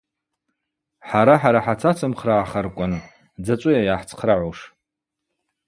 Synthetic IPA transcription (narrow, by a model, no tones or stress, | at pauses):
ħaɾaħaɾaħat͡sʰat͡sʰɨmχraʕːχarkʷʼʊn | d͡zat͡ʃʷʼʊjajaħt͡sʰqʰraʕʷoʂ